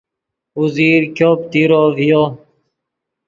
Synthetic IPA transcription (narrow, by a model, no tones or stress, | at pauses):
uziːɾkjoːpt̪iɾoːvʱijoː